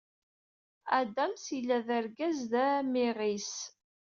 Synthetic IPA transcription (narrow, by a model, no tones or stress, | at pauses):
æd̪æmsilːæðəɾɡæzðæmiʁis